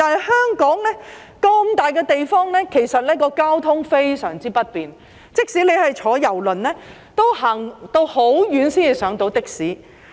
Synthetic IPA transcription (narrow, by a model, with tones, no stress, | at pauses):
t̪aː˨˧nɦɐ˨jhœː˥ŋkɔː˨˥ŋlɛː˥ | kɐ˧mt̪aː˨˩jkɛː˧t̪e˨jfɔː˥ŋlɛː˥kʰe˨˩jsɐ˨t̚lɛː˥kɔː˧kaː˥wt̪ʰʊ˥ŋfe˥jsœː˨˩ŋt͡siː˥pɐ˥t̚piː˨n | t͡sɪ˥k̚siː˨˥le˨˧jhɐ˨jt͡ʃʰɔː˨˥jɐ˨˩wlɵ˨nlɛː˥ | t̪o˥whɐː˨˩ŋt̪o˧who˨˥wjyː˨˥nsiː˥ni˨˩sœː˨˥ŋt̪o˨˥wt̪ɪ˥k̚siː˨˥